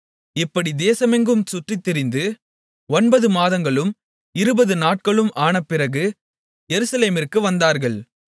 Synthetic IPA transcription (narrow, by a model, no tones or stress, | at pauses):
ɪpːɐɽid̪eːsɐmɛŋɡɯmsʊʈrit̪ːɪɾɪnd̪ɯ | ɔnbɐðɯmaːðɐŋɡɐɭɯm | ɪɾɯbɐðɯnaːʈ̚kɐɭɯmʔaːɳɐpːɪɾɐɣɯ | jɛɾɯsɐleːmɪrkɯʋɐnd̪aːɾɣɐɭ